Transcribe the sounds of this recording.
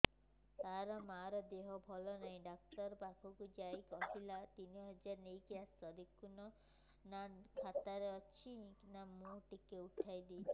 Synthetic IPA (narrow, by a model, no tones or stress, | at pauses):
t̪aɾɔmaɾɔd̪eɦɔbʱɔlɔnaĩɖak̚ʈɔɾbakʰɔkud͡ʒajkɔɦilat̪iniɦɔd͡ʒaɾnejkijasɔd̪ikunɔ | nakʰat̪aɾeɔt͡ʃʰinamũʈikeuʈʰajd̪i